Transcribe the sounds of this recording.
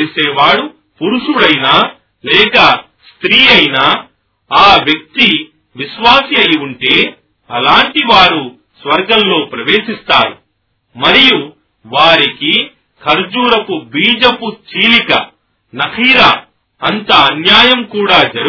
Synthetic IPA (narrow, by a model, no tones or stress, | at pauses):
lseːʋaːɽu | puɾuʂuɽɐjnaː | lɛːkɐ | st̪ɾiːɐjnaː | aːʋjɐk̚t̪i | ʋiʃʋaːsiɐjuɳʈeː | ɐlaːɳʈiʋaːɾu | sʋɐɾɡɐnlo̞ːpɾɐʋe̞ːʂist̪aːɾu | mɐɾiju | ʋaːɾiki | kʰɐɾd͡ʒuːɾɐpubiːd͡ʒɐput͡ʃiːlikɐ̰ | nɐkʰiːɾa | ɐnt̪ɐːnjaːjɐmkuːɽaːd͡ʒɐɾ